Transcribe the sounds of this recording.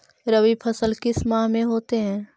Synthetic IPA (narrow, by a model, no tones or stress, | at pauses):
ɾəʋipʰɐsəlkɪsmaːɦmẽɦoːt̪eɦɛ̃ː